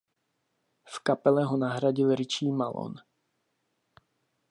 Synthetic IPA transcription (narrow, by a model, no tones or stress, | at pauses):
fkapɛlɛɦonaɦɾaɟɪlɾɪt͡ʃiːmalo̰n